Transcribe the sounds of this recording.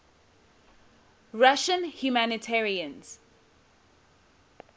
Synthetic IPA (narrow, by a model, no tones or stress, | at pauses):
ɹaʃə̃nhjumanitʰɛɹiə̃nz̥